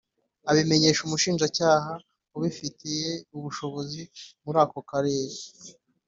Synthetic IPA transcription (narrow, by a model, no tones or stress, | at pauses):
aβime̞ɲe̞ːʃumuʃiːnʒacaːha | uβifitijeuβuʃo̞βo̞zimuɾaːko̞kaɾe̞ːɾe